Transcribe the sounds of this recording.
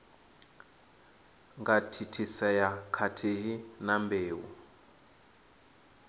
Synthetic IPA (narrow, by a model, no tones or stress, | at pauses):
ŋɡatʰitʰisɛjakʰatʰiɦinambeːṵ